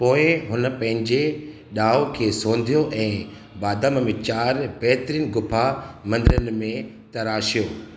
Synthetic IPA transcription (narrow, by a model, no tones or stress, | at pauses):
poːɪ̃ɦʊnə̆pɐ̃ɦɪ̃ɲd͡ʑe | ɗaːokʰeːsõːn̆d̪ʱijoʔɛ̃ː | baːd̪əmmẽt͡ɕaːɾbɛɦt̪ɾinɪɡʊpʰamɐ̃nd̪ɪɾənɪ̆mẽ | t̪ɐɾaːʃijoː